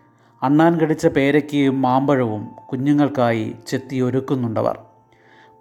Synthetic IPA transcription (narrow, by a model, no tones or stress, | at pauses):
ɐɳːaːnkɐɽit͡ɕːɐpe̞ːɾɐkʲːejumːaːmbɐɻɐʋumkuɲːuŋːɐɭkaːjḭt͡ɕe̞t̪ːio̞ɾukːunːuɳɖɐ̰ʋɐ̰r